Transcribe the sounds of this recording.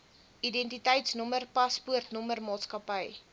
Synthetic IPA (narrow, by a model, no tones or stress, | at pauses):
ʔidɛntitəjtsnɔmərpɐspuərtnɔmərmɑːtskɐpəj